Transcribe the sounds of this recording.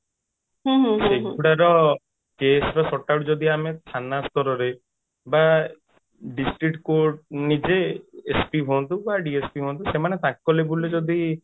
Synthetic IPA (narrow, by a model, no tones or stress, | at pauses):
ɦũɦsẽuɽaɾɔ | kesɾɔsɔʈawʈd͡ʒɔd̪ʱiamet̪ʰanast̪ɔɾɔɾe | ba | ɖisʈɾik̚ʈkoɾʈnid͡ʒeːspiɦont̪ubaɖiespiɦõnt̪usemanet̪akːɔlebuled͡ʒɔd̪i